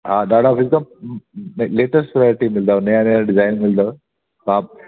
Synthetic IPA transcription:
ɦad̪aɽafizka | nleʈəsʈpɾajoɾiʈimild̪aneaniaɖid͡zajnmild̪ə | ka

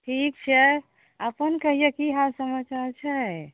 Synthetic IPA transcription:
ʈʰik̚t͡ʃʰɛ | əpənkəɦijekiɦasəmət͡ʃaɾt͡ʃʰɛ

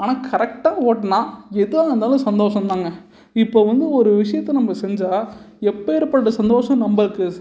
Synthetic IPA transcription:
aːnaːkɐɾɛk̚ʈaːoːʈːɐnãːɛðɯʋaːŋɐnd̪aːlɐ̃sɐnd̪oːʂɐ̃nd̪aːŋɡɐ | ɪpːoːʋɐnd̪ɯɔɾɯʋɪʂɐjɐt̪ːɛnɐmːɐsɛɲd͡ʒaː | ɛpːeːɾɯpːɐʈːɐsɐnd̪oːʂɐ̃mnɐmbɐɾɯkːɯ

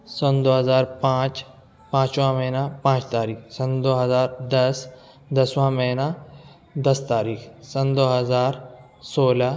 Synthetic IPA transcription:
sõnd̪oːɦɐzaːɾpãːt͡ʃ | pãːt͡ʃʋãmɐɦnapãːt͡ʃt̪aːɾiːksɐ̃nd̪oːɦɐzaːɾd̪ɐs | d̪ɐsʋãmɐɦna | d̪ɐst̪aːɾiːkʰsɐnd̪oːɦɐzaːɾ | soːla

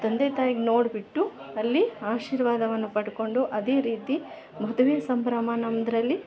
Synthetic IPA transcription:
t̪ɐnd̪eːt̪aːjiɡno̞ːɽbiʈːuɐlːiaːʃiːɾʋaːd̪ɐʋɐnːupɐɽko̞ɳɖuʔɐd̪e̞ːɾiːt̪i | mɐd̪uʋeːsɐmpɾɐmaːnɐmd̪ɐɾɐlːi

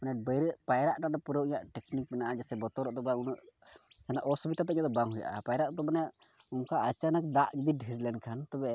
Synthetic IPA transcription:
manɛbəɾɛʔpajɾaʔnaʔd̪ɔpuɾəwʔiɲaʔʈɛknik̚mɛnaʔad͡ʒasɛbɔt̪ɔɾɔʔd̪ɔbaunuʔ | hanaʔɔsubit̪at̪ɛʔɲaʔd̪ɔbaŋɦuja̰ʔa̰pajɾaʔd̪ɔbanɛ | uŋkaʔət͡ʃanakd̪aʔd͡ʒid̪iɖʱiɾlɛnkʰant̪ɔbɛ

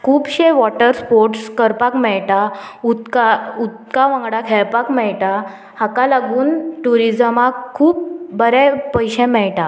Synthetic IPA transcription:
kʰuːbɕeʋɔʈəɾspoɾʈskəɾpakmɛɭʈaut̪kaut̪kaʋãŋɡɽakʰɛɭpakmɛɭʈa | hakalaɡuːnʈuɾid͡zəmakkʰuːpːəɾɛpəjɕɛ̃mɛɭʈa

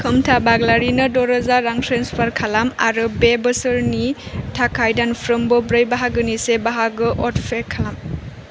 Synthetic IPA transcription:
kʰɯmtʰabaɡlaɾinɯdɔɾəzaɾaŋtʰɾenspʰaɾkʰalama̰ɾɯbebɯsɯɾnitʰakʰajdanpʰɾɯmbɔbɾɯjbaɦaɡɯnisebaɦaɡɯʔɔtpʰeɾkʰalam

